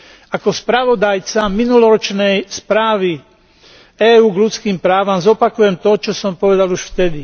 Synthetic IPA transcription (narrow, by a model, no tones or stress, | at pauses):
akɔspɾaʋɔd̪ajt͡saminulɔɾɔt͡ʃnɛjspɾaːʋi | ɛːuːɡlut͡skiːmpɾaːʋamzɔpakujɛmt̪ɔt͡ʃɔsɔmpɔʋɛd̪aluʃft̪ɛd̪i